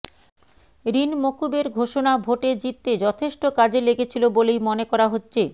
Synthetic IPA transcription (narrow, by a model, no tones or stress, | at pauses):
ɾinmokubeɾɡʱoʃonabʱoʈed͡ʑit̪ːed͡ʑɔt̪ʰeʃʈokad͡ʑeleɡet͡ɕʰilobolejmonekɔɾaɦotːɕʰe